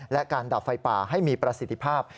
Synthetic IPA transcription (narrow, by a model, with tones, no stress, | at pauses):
lɛ˦˥kaː˧nda˨˩fa˧jpa̰ː˨˩ɦa˥˩jmiː˧pɾa˧si˨˩t̪ʰːi˦˥pʰaː˥˩p̚